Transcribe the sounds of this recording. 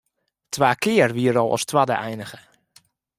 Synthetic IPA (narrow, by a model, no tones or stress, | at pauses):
tʰwaːkɪərʋiəɾɔlˠɔ̰stwadə̰ʔɛjnəɣə